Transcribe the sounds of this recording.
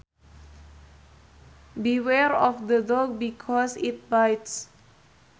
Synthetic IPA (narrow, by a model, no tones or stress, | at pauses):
biwɛɾɔfd̪ədɔk̚bikʰɔsit̪̚bajts